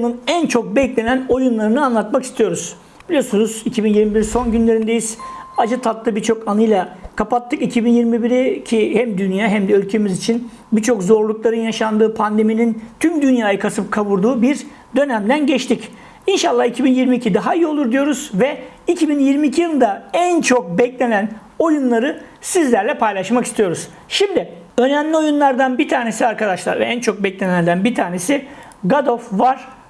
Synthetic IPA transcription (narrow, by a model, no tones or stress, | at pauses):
nɯnænt͡ʃʰo̞k̚bɛclʲe̞næno̞junlˠaɾɯnɯanlˠat̪maki̥st̪ʰijo̞ɾuz | b̥ilʲijo̞ɾsunuzicʰibinjiɾmibiɾiso̞nɟynlʲe̞ɾind̪e̞jiz̥ad͡ʒɯt̪ʰat̪lːɯbiɾt͡ʃʰo̞kanɯjlˠakʰapat̪ːɯkicʰibinjiɾmibiɾicʰihæmd̪ynjaːɦæmd̪ɛølʲcʰemizit͡ʃʰin | bit͡ʃʰo̞kzo̞ɾlˠuklˠaɾɯnjaʃand̪ɯːpʰand̪e̞minint̪ʰymd̪ynjaːjakʰasɯp̚kʰaβuɾd̪uːbiɾ | d̪ø̞næmd̪ænɟɛt͡ʃt̪ic | inʃalˠːahicʰibinjiɾmiːcʰid̪aɦaijio̞lˠuɾd̪ijo̞ɾuz̥vɛ | icʰibinjiɾmiːcʰijˠɯnd̪aænt͡ʃʰo̞k̚bɛclʲe̞næn | o̞junlˠaɾɯ | sizlʲæɾlʲɛpʰajlˠaʃmaki̥st̪ʰijo̞ɾuz̥ | ʃimd̪ɪ | ø̞næmlʲio̞junlˠaɾd̪anbit̪ʰaːne̞siaɾkad̪aʃlˠa̰ɾvɛænt͡ʃʰo̞k̚bɛclʲenænd̪ænbiɾt̪ʰaːne̞si | ɡad̪ofvaɾ̥